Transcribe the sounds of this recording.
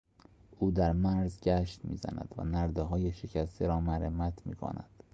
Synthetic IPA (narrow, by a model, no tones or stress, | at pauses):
ʔuːd̪æɾmæɾzɟæʃt̪mḭːzæ̰næ̰d̪̥væ̰næɾd̪eɦɒːjeʃecʰæst̪eɾɒːmæɾemæt̪ʰmḭːkʰo̰næ̰d̪̥